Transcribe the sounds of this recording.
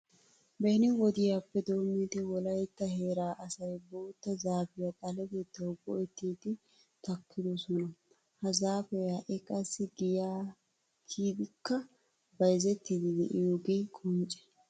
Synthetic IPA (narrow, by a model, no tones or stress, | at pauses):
bɛnɪwɔd̪ɪjaːpːɛd̪o̞ːmːid̪ɪwɔlɐjt̪ːɐɦeːɾaːʔɐsɐjbo̞ːt̪ːɐzaːfɪjɐkʼɐlɛbet̪ːɐwbɔ̰ʔɛt̪ːiːt̪ɪ | t̪ɐkʰːɪd̪ɔsɔnɐ | hɐzaːfɛɐʔɛkʼɐsːɪɡɪjaː | kʰiːd̪ɪkːɐ | bɐjzɛt̪ːɪd̪ɪd̪ɛ̰ʔɪjoːɡeːkʼʊnt͡ʃʼɛ̥